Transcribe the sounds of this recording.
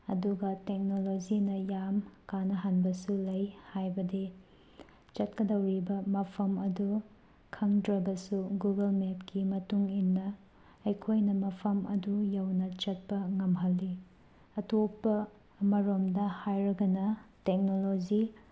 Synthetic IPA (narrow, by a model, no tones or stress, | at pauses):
ɐduɡɐtek̚nolod͡ʒinɐjamkanɐɦanbɐsulɐjhajbɐdi | t͡ʃɐt̚kɐdɐwɾibɐmɐpʰɐmɐdu | kʰɐŋdɾɐbɐsuɡuɡɐlmep̚kimɐtuŋinːɐː | jkʰojnɐmɐpʰɐmɐ̰dujawnɐt͡ʃɐt̚pɐŋɐmɦɐlːi | ɐtopːɐ | mɐɾomdɐhajɾɐɡɐnɐtek̚nolod͡ʒi